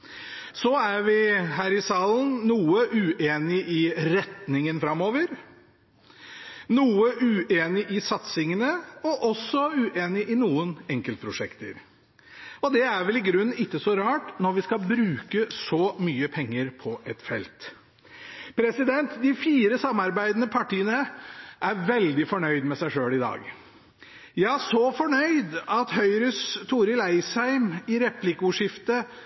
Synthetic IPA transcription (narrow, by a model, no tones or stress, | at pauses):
sɔæɾʋɪɦæːɾɪsɑːlnnuːəʔʉːʔeːnɪʔɪɾɛt̪nɪŋənfɾɑmːoːʋəɾ | nuːəʔʉːʔeːnɪʔɪsɑt̪sɪŋənəɔʔɔsːɔʉːʔeːnɪʔɪnuːənɛŋkəlt̪̚pʰɾʊʂɛkt̪ə̰ɾ | ɔd̪ɛæɾʋɛlɪɡɾʉnːɪkːəsɔɾɑːʈnɔɾʋɪskɑbɾʉːkəsɔmyːəpʰɛŋːəɾpʰɔʔɛt̪fɛ̰lt̪ | pʰɾɛsɪd̪ɛnt̪d̪ɪfiːɾəsɑmːɑɾbæɪd̪ənəpʰɑʈiːənəʔæɾʋɛld̪ɪfɔɳœʏd̪mɛsæɪʂøːlɪd̪ɑ̰ːɡ | jæɪæʂɔfɔɳœʏd̪ɑt̪hœʏɾʏst̪ʰuːɾɪlæɪshæɪmɪɾɛplɪkəʊʂɪft̪ə